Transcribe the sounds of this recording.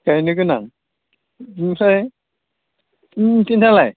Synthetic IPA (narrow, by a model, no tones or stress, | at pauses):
kajnɯkɯnaŋ | saj | tintʰalaj